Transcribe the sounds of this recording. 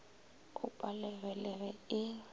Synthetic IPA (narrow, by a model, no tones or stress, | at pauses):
ʊpʼalɛɣɛlɛɣɛɪ